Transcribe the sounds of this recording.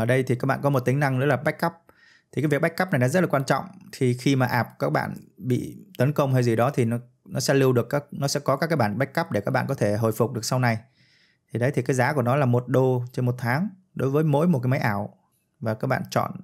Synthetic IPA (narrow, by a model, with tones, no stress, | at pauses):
əː˧˩ɗə˧jt̪ʰi˨˩ka˦˥k̚ɓa̰ː˧˨kɔ˨˦mo˨˩t̚t̪ï˨˦ŋ̟na˧ŋɨ̰˧˦˥laː˨˩ɓa˦˥k̟̚ka˦˥p̚ | t̪ʰi˨˩aː˨˦vək̚ɓjk̚ːə˦˥pna˨˩jɗaː˨˦zt̚la˨kwaː˧nt͡ɕɔ̰˧˨wŋ͡mt̪ʰi˨˩xi˧maː˨˩ʔaː˨˩p̚kaː˦˥k̚ɓa̰ː˧˨nɓḭ˧˨t̪ə˨˦nkə˧wŋ͡mha˧jzi˨˩ɗɔ˨˦t̪ʰi˨˩nɔ˨˦ | nɔ˨˦sɛ̰˧˥lɨ˧wɗɨ˨˩əkːaː˦˥k̚nɔ˨˦sɛ̰˧˥kɔ˨˦kaː˦˥kaː˨˦jɓaː˧˩nɓa˦˥k̚ka˦˥p̚ɗe˧˩a˦˥k̚ɓa̰ː˧˨nkɔ˨˦t̪ʰe˧˩ɦəː˨˩jfʊ˨˩k͡p̚ɗɨ˨˩əksa˧wna˨˩j | t̪ʰi˨˩ɗə˨˦jt̪ʰi˨˩kaː˨˦jzaː˨˦ku˧˩ənɔ˨˦laː˨˩mo˨˩t̚ɗo˧t͡ɕe˧nmo˨˩t̚t̪ʰaː˨˦ŋ | ɗo˨˦jvəː˨˦jmo̰˧˥jmo˨˩t̚kaː˨˦jma˨˦jʔaː˧˩w | vaː˨˩kaː˦˥k̚ɓa̰ː˧˨nt͡ɕɔ̰˧˨n